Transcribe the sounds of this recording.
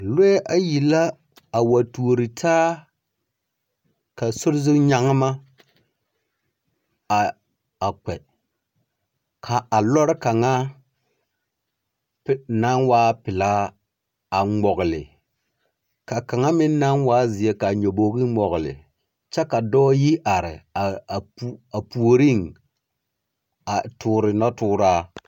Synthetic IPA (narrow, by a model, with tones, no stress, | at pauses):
lo˦e˦ʔa˦ji˨la˦ | a˨wa˨tu˨o˨ɾi˨tʰaː˦ | ka˨sʊ˦ɾɪ˦zɪ˦ɲa˨ŋ˦ma˦˨ | a˨k͡pɛ˨ | kʰa˨a˨lɔ˦ɾka˨ŋa˦ | pna˦nwaː˦pɪ˨la˦ | a˨ŋ͡mɔ˨ɣɪ˨lɪ̰˨ | ka˨ka˨ŋa˦mɪ˦nː˦a˦nwaː˦zɪ˨je˦ka˨ɲo˨boː˦ɡi˦ŋ͡mɔ˨ɣlɪ̰˨ | t͡ʃɛ˦ka˨dɔː˦ji˦ʔa˨ɾɪ̰˨a˨pa˨pu˨o˨ɾi˦˨ŋ | a˨tʰʊː˦˨ɾɪ˨na˦tʊː˦ɾa˦